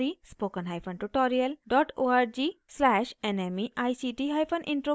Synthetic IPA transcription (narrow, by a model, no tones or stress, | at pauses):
ɾispokənɦajpʰɔnʈuʈɔɾiəlɖɔʈoaɾd͡ʒislɛʃenemiʔajsiʈiɦajpʰɔnʔḭɳʈɾo